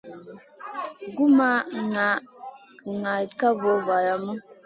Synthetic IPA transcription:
ɡu˦ma˦ŋa˨˦ | ŋa˨ka˦vo˨˦va˨ja˨mə˦

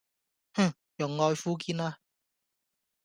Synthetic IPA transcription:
h̩˥˩ | jʊ˨˩ŋːɔː˧jfuː˥k̬iː˧˥naː˧

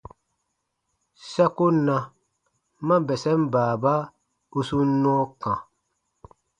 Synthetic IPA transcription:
sɛ˦ku˦nã˨ | mã˦bɛ˨sɛ˦m˦baː˨ba˦ | u˦su˦nɔ̃˦kã˨

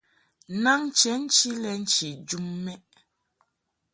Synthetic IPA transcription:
na˦ŋ˦t͡ʃɛ˨˦n̩˦t͡ʃi˦lɛ˨n̩˦t͡ʃi˨d͡ʒu˦mːɛ˦

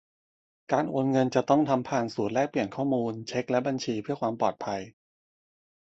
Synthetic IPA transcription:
kaː˧nʔoː˧nŋɤ˧nt͡ɕa˨˩t̪ɔ˥˩ŋt̪ʰa˧mpʰaː˨˩nsuː˨˩t̪̚lɛː˥˩k̚pli˨˩ənkʰɔː˥˩muː˧nt͡ɕʰe˦˥k̚lɛ˦˥ba˧nt͡ɕʰiː˧pʰɯ˥˩əkʰwaː˧mpɔː˨˩t̪̚pʰa˧j

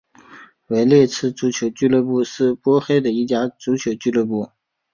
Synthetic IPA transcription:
we˧˥ɪljɛ˥˧t͡sʰɹ̩˥˩t͡su˧˥t͡ɕʰjo˧˥ʊt͡ɕy˥˧lɤ˥˧pu˥˧ʂɻ̩˥˩pwɔ˥xe˥ɪd̪ə˨i˥˩t͡ɕja˥t͡su˧˥t͡ɕʰjo˧˥ʊt͡ɕy˥˧lɤ˥˧pu˥˩

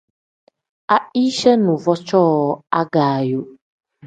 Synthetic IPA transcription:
a˨i˦ʃɛ˦nũ˨vɔ˦t͡ʃɔ˦ɔ˨a˦ɡa˨jo˨

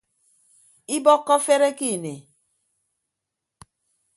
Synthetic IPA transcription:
i˦bɔ˦kːɔ˦fe˦ɾe˦ki˦˨ne˨

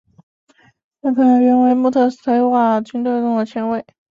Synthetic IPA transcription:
na˥˧˩k̪ʰɤ˧˥n˧˥ɥɛ˥nwe˧˥ɪmu˥˧t̪ʰɤ˥˩st̪ʰa˧˥ɪxwa˥˩t͡ɕy˥nt̪we˥˧ɪʈ͡ʂʊ˥˩ŋd̪ə˩t͡ɕʰjɛ˧˥nwe˥˩ɪ

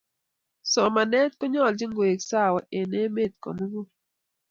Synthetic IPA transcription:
sɔ˨ma˨nɛ˦t̚kʊ˦ɲɔ˦˨ld͡ʒɪ˦ŋɡwe˨ksa˦˨wa˨ʔe˨ne˦me˦˨t̪̚kɔ̰˨mu˦ɡo˦

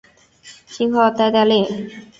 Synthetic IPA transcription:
ɕi˥nxɑ˥˧˩t̪a˥˧ɪt̪a˥˧lɛ˥˩ŋ

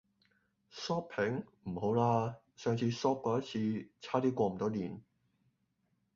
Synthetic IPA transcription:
sɔː˥p̚pʰɪ˨˥ŋm̩˨˩ho˨˥wlaː˧ | sœː˨˧ŋt͡sʰiː˧sɔː˥p̚kɔː˧jɐ˥t͡sʰiː˧t͡sʰaː˥t̪iː˥kʷɔː˧m̩˨˩t̪ɔː˥liː˨˩n

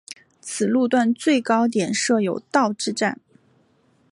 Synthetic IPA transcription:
t͡sʰɹ̩˨˩lu˥˧t̪wa˥˧nt͡swe˥˩ɪkɑ˥ʊt̪̬jɛ˨˩nʂɤ˥˩jo˨˩ʊt̪ɑ˥˧ʊʈ͡ʂɻ̩˥˧ʈ͡ʂa˥˩n

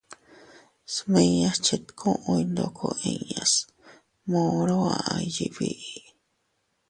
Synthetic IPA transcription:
smẽ˧ɲã˧st͡ʃe˧t̪kʰõ˦ʔõ˧i˧nd̪o˧kʰo˧ĩ˧ɲa˨s | mõ˧ɾo˦a˧˨a˧ji˨βi˧i˨

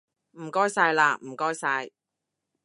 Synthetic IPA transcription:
m̩˨˩kɔː˥jsaː˧jlaː˧m̩˨˩kɔː˥jsaː˧j

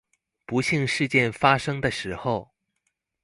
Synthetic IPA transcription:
pu˧˥ɕi˥˧ŋʂɻ̩˥˧t͡ɕjɛ˥˩nfa˥ʂɤ˥ŋd̪ə˨ʂɻ̩˧˥xo˥˧˩ʊ

